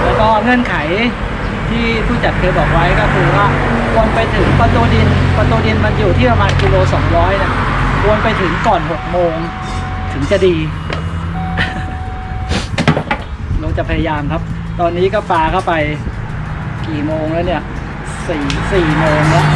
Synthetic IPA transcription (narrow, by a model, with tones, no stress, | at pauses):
t̪ɛː˨˩kɔː˥˩ŋɤ˥˩ənkʰa˩˦j | t̪ʰiː˥˩t̪ʰuː˥˩t͡ɕa˨˩t̪̚kʰɤː˧jbɔː˨˩k̚wa˦˥jkɔː˥˩kʰɯː˧waː˥˩ | kʰu˧ənpa˧jt̪ʰɯ˩˦ŋkʰɔ˧nt̪u˧di˧nkʰo˧nt̪u˧di˧nma˧njuː˨˩t̪ʰiː˥˩pɾa˧maː˧nkiː˧loː˧sɔː˩˦ŋɾɔː˦˥jna˦˥˩kʰu˧ənpa˧jt̪ʰɯ˩˦ŋkɔː˨˩nɦo˨˩k̚moː˧ŋ | t̪ʰɯ˩˦ŋt͡ɕa˨˩diː˧ | lo˧˩ŋt͡ɕa˨˩pʰa˧ja˧jaː˧mkʰa˦˥p̚ | t̪ɔː˧nːiː˦˥kɔː˥˩paː˧kʰa˥˩wpa˧j | kiː˨˩moː˧ŋlɛ˦˥ni˥˩ɐʔ | siː˩˦siː˨˩moː˧ŋla˦˥ʔ